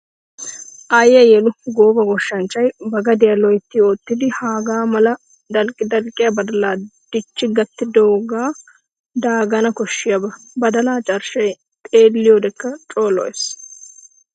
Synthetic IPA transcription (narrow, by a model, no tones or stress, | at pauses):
ʔɐjːɐjɛlʊɡoːbɐɡɔʃːɐnt͡ʃːɐjbɐɡɐd̪ɪjɐlɔjt̪ːɪoːt̪ːɪd̪ɪhaːɡaːmɐlɐ | d̪ɐlkʼɪd̪ɐlkʼɪjɐbɐd̪ɐlaːd̪̥ɪt͡ʃːɪɡɐt̪ːɪd̪oːɡaː | d̪aːɡɐnɐkɔʃːɪjɐbɐ | bɐd̪ɐlaːt͡ʃʼɐɾʃɐj | t̪ʼeːlːɪjoːd̪ɛkːɐt͡ʃʼo̞ːlɔ̰es